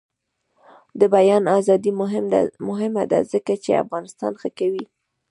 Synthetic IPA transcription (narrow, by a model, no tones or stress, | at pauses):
d̪əbajɑnazɑd̪id̪a̰mʊɦɪmad̪a̰zəkat͡ʃḛa̰fɣɑnɪst̪ɑ̰nxəkawi